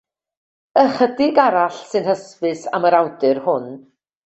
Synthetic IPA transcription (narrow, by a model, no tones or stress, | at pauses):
əχədɪɡaɾaɬsɨnhəspɨsaməɾawdɨrhʊn